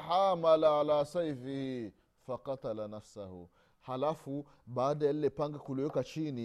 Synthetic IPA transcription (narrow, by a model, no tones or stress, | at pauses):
ħamalaʕalaːsajfihi | faqɑt̪alanafsahṵ | halafu | baːdajalːepaŋɡakulɛkat͡ʃini